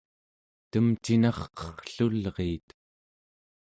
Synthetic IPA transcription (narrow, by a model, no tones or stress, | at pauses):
t̪əmt͡ʃinɑχqʌ̥χə̥ɬulʁeːt̪